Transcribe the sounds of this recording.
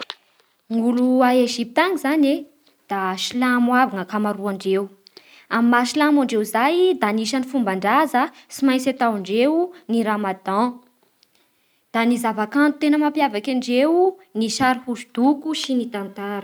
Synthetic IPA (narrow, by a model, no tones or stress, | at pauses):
ŋuluaeʒip̚t̪aŋizane | d̪̥aʃilamwavaŋəkamaɾuaɳɖ͡ʐew | amimaʃilamaɳɖ͡ʐewizajd̪aniʃanifumbaɳɖ͡ʐazəsimajsat̪awaɳɖ͡ʐewuniɾamad̪ɑ̃ | d̪̥anizavakãnu̥t̪enəmampjavakaɳɖ͡ʐewniʃaɾihuʃud̪̥ukuʃinit̪ant̪aɾə